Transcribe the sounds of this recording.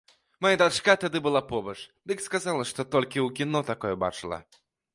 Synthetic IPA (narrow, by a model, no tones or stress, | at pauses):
majad̪aʂkat̪ad̪ɨbɨlˠapɔbɐt͡ʂd̪ɨkskazalˠɐʂt̪ɔt̪ɔlʲkʲiwkʲinɔt̪akɔjɛba̰t͡ʂɨlˠɐ̰